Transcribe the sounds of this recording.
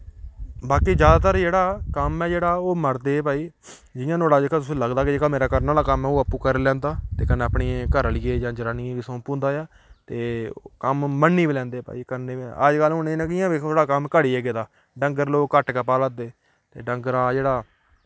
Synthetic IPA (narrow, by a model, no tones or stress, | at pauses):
baːkiːd͡ʒjaːd̪aːt̪əɾd͡ʒeːɽaːkəmɛːd͡ʒeːɽaːoːməɾd̪eːpaːiː | d͡ʒɪjãːnoːɽaːd͡ʒeːkãːt̪ʊsĩːləɡd̪aːkɪd͡ʒeːkaːmeːɾaːkəɾnaːlaːkəmɛːoːəpːuːkəɾlɛ̃ːnd̪aːt̪eːkənːeːəpɳiːkəɾliːeːd͡ʒãːd͡ʒəɾaːniːʋiːsõːpõːnd̪aːjaː | t̪eːkəmːənːiːbiːlɛ̃ːnd̪eːpa̰ːiːkəɾneːəd͡ʒɡəlɦʊneːnɛ̃ːkɪjãːbiːoːɽaːkəmkəɽiːɛːɡeːd̪aː | ɖəŋɡəɾloːɡkəʈkəpaːləd̪eː | t̪eːɖəŋɡəɾaːd͡ʒeːɽaː